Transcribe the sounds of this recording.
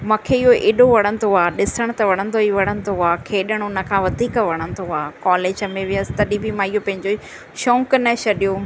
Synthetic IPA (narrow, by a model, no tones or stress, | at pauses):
mãːkʰeɪɦoʔeːɗoʋɐɽ̃ə̃nt̪ʰoaːɗɪsəɽ̃t̪ɐʋɐɽ̃ə̃nd̪oiʋɐɽ̃ə̃nt̪ʰoaːkʰeːɗəɽ̃ʊnə̆kʰãːʋɐd̪ʱiːkʋɐɽ̃ə̃nt̪ʰoaːkaːleːd͡ʑəmẽʋɪəsɪ̥t̪ɐɗĩbimãːiɦopɐ̃ɦɪ̃ɲd͡ʑo | ʃõːŋknɐsʰɐɗijo